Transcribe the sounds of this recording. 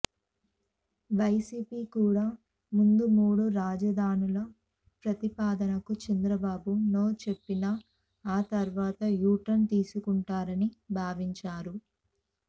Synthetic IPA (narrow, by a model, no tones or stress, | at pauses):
ʋɐjsiːpiːkuːɽaː | mund̪umuːɽuɾaːd͡ʒɐd̪ʱaːnulɐ | pɾɐt̪ipaːd̪ɐnɐkut͡ʃɐnd̪ɾɐbaːbunoːt͡ʃe̞pːina | aːt̪ɐɾʋaːt̪ɐjuːʈɐnt̪iːsukuɳʈaːɾɐnibʱaːʋiɲt͡ʃaːɾu